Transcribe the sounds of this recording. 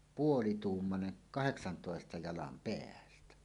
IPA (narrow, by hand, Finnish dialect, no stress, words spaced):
puolituːmːɑne kɑheksɑntoˑestɑ jɑlɑm peæltæ